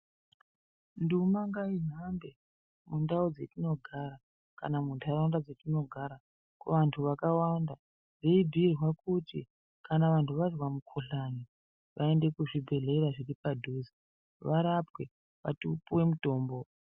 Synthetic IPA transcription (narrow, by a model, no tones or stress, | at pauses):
ndumaŋɡaiɦambe̞ | mundaud͡ze̞tino̞ɡʱaɾa | ka̰namuntʰaɾandad͡ze̞tino̞ɡʱaɾa | kuʋantʰuʋakawanda | ʐeibʱirwakuti | kanaʋantʰuʋarwamukʰoɬani | ʋʔae̞nde̞kuʐibʱe̞ɮeɾaʐiɾipadʱuzi | ʋaɾapwe | ʋa̰tupuwe̞muto̞ːmbo̞